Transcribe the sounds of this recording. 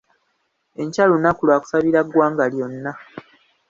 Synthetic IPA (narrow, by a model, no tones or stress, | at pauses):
e̞ɲcalunakulwaːku̥saβiɾaɡwaːŋɡaljo̞nːa